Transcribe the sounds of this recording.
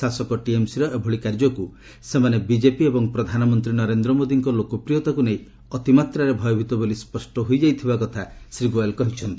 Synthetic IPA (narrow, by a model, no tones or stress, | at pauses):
asɔkɔʈiemsiɾɔʔebʱɔɭikaɾd͡ʒɔku | semanebid͡ʒepiebɔŋpɾɔd̪ʱanɔmɔnt̪ɾinɔɾend̪ɾɔmod̪iŋkɔlokɔpɾijot̪akunej | ɔt̪imat̪ɾaɾebʱɔjɔbʱit̪ɔbolispɔsʈɔɦojd͡ʒajt̪ʰibakɔt̪ʰasɾiɡajlkɔɦit͡ʃʰɔnt̪i